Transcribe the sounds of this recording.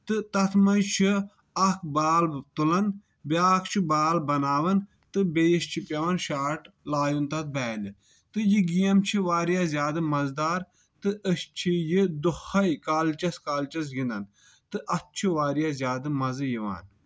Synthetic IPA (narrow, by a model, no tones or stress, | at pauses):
t̪ɨt̪ɐt̪ʰmɐnt͡ʃʰi | ɐkʰbaːl̚t̪ulɐn | bʲaːkʰt͡ʃʰibaːlbɐnaːʋɐn | t̪ɨbeːʃt͡ʃʰipʲɐʋɐnʃaːʈ | laːjunt̪ɐt̪̚bɛːnɨ | t̪ɨjiɡijɐmt͡ʃʰiʋaːɾijaːzʲjaːd̪ɨmɐzd̪aːɾ | t̪ɨʔəst͡ʃʰijid̪uxɐjkaːlt͡ʃɐskaːlt͡ʃɐs̬ɡind̪ɐn | t̪ɨʔɐt̪̚t͡ʃʰiʋaːɾjaːzjaːd̪ɨmɐzɨjiʋa̰ːn